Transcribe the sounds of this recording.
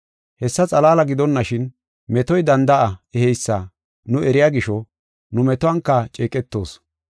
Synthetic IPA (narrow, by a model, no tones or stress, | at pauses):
hɛsːɐt͡sʼɐlaːlɐɡɪd̪ɔnːɐʃɪn | mɛt̪ɔjd̪ɐnd̪ɐʔɐɛhɛjsːa | nʊʔɛɾɪjaːɡɪʃɔ | nʊmɛt̪ʊwɐŋkːɐt͡ʃʼeːkʼɛt̪ːo̞ːs